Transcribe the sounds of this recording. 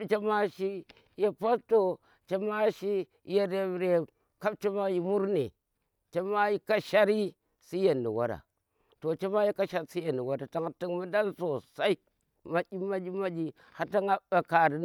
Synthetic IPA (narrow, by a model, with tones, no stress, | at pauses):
t͡ʃe˦ma˦ʃi˦ | je˦pa˦sto˨ | t͡ʃe˦ma˦ʃi˦ | je˨ɾe˨bɾe˨ | ka˦b̚t͡ʃe˦ma˦ji˨mu˦ɾne˨ | t͡ʃe˦ma˦ji˦ka˦ʃa˦ɾi˦ | si˦je˨nːḭ˨wa̰˦da̰˨ | to˨t͡ʃe˦ma˦ji˦ka˦ʃa˦ɾsi˦je˨nːi˨wa˦da˨ta˦ŋ˦ti˦ŋmi˦da˦nso˨sa˦i˦ | ma˨ɡʲi˦ma˦d͡ʒi˦ma˦d͡ʒi˦ | ha˦ta˦ŋa˦ba˨ka˨ɾi˨